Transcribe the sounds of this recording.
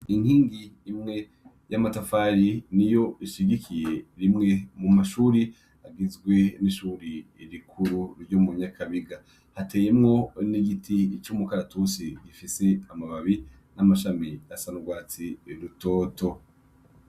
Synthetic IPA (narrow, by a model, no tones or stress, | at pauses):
inhiːŋɡiːmŋe̞ | jamatafaɾinijo̞iʃiɡikʰije̞ɾimŋe̞mumaʃuːɾi | aɡizɡwe̞niʃuːɾiɾikʰuɾuɾɟomuɲakʰaβiɡa | hate̞ːje̞mŋo̞niɡitʰit͡ʃumukaɾatusiɡifise̞amaβaβi | namaʃamiasanuɡwaːt͡siɾuto̞ːto̞